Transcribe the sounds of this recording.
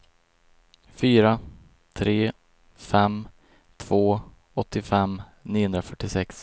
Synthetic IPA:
fyːɾa | t̪ʰɾeː | fɛm | t̪ʰv̥oː | ɔt̪ːɪfɛmniːʊɵnd̪ɾafœʈːɪsɛks

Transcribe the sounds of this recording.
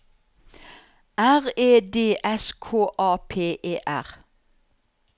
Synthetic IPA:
ʔæʁeːd̪eːʔɛskʰoːʔɑːpʰeːʔeːʔæ̰ʁ

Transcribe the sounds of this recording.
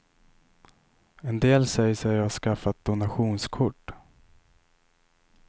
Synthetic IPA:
ɛnd̪eːlsɛjəsɛaʂkafːat̪̚d̪ʊnaɧuːnskʰʊʈː

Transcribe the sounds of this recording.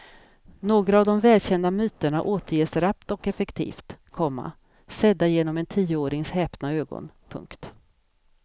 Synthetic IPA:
noːɡɾaːvd̪ɔmvɛːlɕɛnd̪amyːt̪əɳa̰ʔoːt̪əɾjeːsɾapt̪ɔkɛfɛkt̪ʰḭːft̪kʰɔmːa̰ | sɛd̪ːajeːnɔmɛnt̪ʰiːəoːɾɪŋshɛːpnaøːɡɔ̰npʰɵ̰ŋkt̪

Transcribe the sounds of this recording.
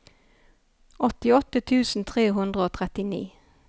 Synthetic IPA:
ɔt̪ɪɔt̪ət̪ʰʉːsn̩t̪ʰʁeːɦʉnd̪ʁəoːt̪ʰʁɛt̪ɪnḭː

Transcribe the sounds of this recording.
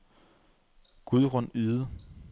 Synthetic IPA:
ɡ̥uðˠʁɔnyːðˠə

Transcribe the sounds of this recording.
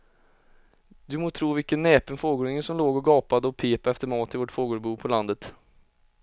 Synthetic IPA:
d̪ɵmoːt̪ʰɾuːvɪlkənːɛːpənfoːɡuːɾnɪŋəsɔmloːɡɔɡɑːpad̪əɔpʰeːpaɛft̪əɾmɑːt̪ɪvɔʈfoːɡoːbuːpʰɔland̪ət̪

